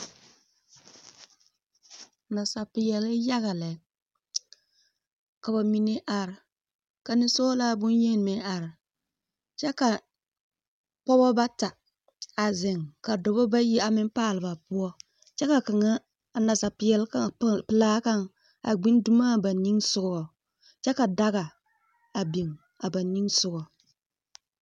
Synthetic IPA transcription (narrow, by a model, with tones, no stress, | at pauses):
na˨sa˨pɪ˨jɛ˨lɪ˦ja˦ɣa˨lɛ˨˦ | ka˨ba˨mi˦ne˦ʔa˨ɾɪ˨ | ka˨nɪ˦so˦laː˦bʊ˦njɛ˦n˨mɛ˦a˨ɾɪ˨ | t͡ʃɛ˦ka˨ | pɔ˦bɔ˦ba˦ta˨ | a˨zɪ˨ŋka˨dɔ˨bɔ˦ba˦ji˦a˨mɪ˦m˦paː˦˨lɨ˨ba˨pʊ˦ɔ˦ | t͡ʃɛ˦ka˨ka˨ŋa˦ | a˨na˨sa˨pɪ˦jɛ˦lka˦pɨ˨laː˦ka˦ŋ | a̰˨ɡ͡bi˦n˦du˦maː˦ba˨ni˦ŋsʊ˨ɡʊ˨ɡɔ˨ | t͡ʃɛ˦ka˨da˦ɣa˨ | a˨bi˨ŋ | a˨ba˨ni˦ŋsʊ˨ɡɔ˨